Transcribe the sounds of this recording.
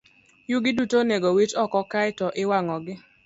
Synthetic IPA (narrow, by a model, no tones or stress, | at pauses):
juɡɪdutoneɡowit͡ʃɔkɔkaɪtɔʔɪwaŋɔɡɪ